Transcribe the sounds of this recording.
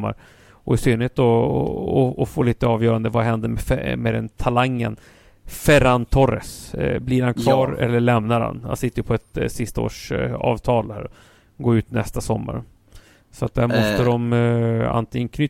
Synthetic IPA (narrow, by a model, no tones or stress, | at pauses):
mːa̰ɾ | ɔæʂyːnːet̪ɔɔɔfoːliːt̪əɑːvjœːɾand̪əvaɦɛnd̪əmɛfmɛd̪ɛnt̪ʰalaŋːə̰n | fɛɾant̪ʰɔɾɛ̰sblɪɾhankʰvɑːɾɛ̰lːəɭɛmnaɾha̰nha̰nsɪt̪ʰːəjəpʰɔɛt̪sɪst̪ao̰ːʂɑ̰ːvt̪ʰɑːlhæ̰ːɾ | ɡoːʉ̟ːt̪nɛst̪asɔmːa̰ɾ | sɔat̪̚d̪æɾmɔst̪əd̪ɔma̰nt̪ʰɪŋːənkʰnʏ